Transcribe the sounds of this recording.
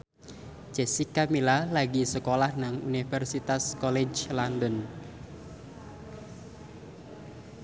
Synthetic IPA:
d͡ʒ̥ɛsikːamilalaɡisəkolahnaŋṵnifɛrsit̪askɔlɛd͡ʒlandən

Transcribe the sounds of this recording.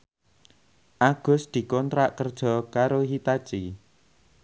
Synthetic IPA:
ʔaɡ̥ʊ̤sd̪̥i̤kɔnt̪ɾaʔkərd̥ʒ̥ɔ̤kaɾoɦit̪at͡ʃi

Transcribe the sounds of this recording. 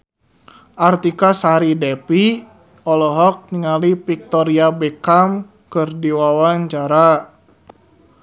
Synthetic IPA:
ʔart̪ikasaɾidɛpi | ɔlɔɦɔk̚niŋalipik̚t̪ɔɾiabɛkam | kɨrdiwawaɲt͡ʃaɾa

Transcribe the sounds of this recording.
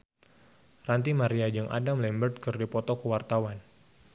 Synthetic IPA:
rant̪imaɾiad͡ʒɨŋʔa̰damlɛmbərt̪̚kɨrdipɔt̪ɔkəwart̪awan

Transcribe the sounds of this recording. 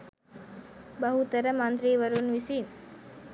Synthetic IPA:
bɐɦut̪əɾəmɐnt̪ɾiːʋəɾunʋisin

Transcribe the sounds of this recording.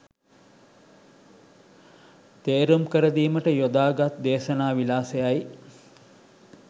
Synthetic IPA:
t̪eːɾumkəɾəd̪iːməʈəjod̪aːɡat̪d̪eːʃɐnaːʋilaːsejaj

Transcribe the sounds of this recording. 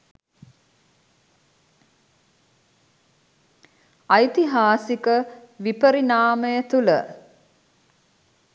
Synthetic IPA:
ɐjt̪iɦaːsikəʋipəɾinaːməjət̪ulə̰

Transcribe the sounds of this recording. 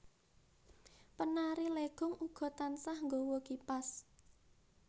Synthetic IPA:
pənaɾileɡ̥ʊ̤ŋʔuɡ̥ɔ̤t̪ansahŋɡowokipas

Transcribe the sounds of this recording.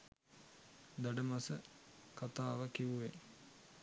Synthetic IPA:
d̪aɖəmasəkat̪aːʋəkiʋuʋe

